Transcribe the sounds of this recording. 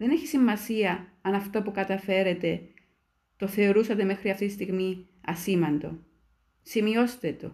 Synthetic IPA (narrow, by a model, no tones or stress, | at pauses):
ðe̞ne̞çisimːɐsiɐɐnɐft̪opukɐt̪ɐfe̞ɾe̞t̪e̞ | t̪o̞θe̞o̞ɾusɐt̪e̞me̞xɾiɐft̪it̪ist̪iɣmi | ɐsimɐnd̪o̞̰ | simio̞st̪e̞t̪o̰